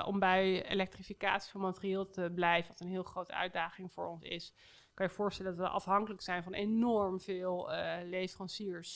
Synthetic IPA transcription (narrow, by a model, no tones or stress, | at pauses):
ʔɔ̰mbɛjḛlɛk̚trifika̰ːtsi̥fɑnmaːtərieːlˠtəblɛjvəʋɑtənɦɪːlˠχrowtəœ̰ɥdaːχɪŋv̥ʊːɹɔnsɪ̰s | kɑnjəv̥ʊːɹstɛlədɑtʋəʔɑ̰fɦɑŋkələksɛjnvɑnenɔɹmv̥ɪːlˠlejfrɑnsiːɹs